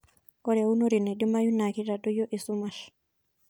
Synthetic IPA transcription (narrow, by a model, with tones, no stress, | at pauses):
ɔɾe˨u˦noɾi˨nɛ˨di˦ma˦ju˦nakiɾa˨do˦jo˦ʔi˨sumaɬ